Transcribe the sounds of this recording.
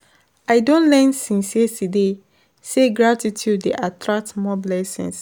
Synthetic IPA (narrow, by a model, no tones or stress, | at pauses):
aɪdõnlɛ̃nsĩnsiɛtʰude | seɡɹatitʰjudːeʔatɹak̚tmɔblɛsḭ̃ŋs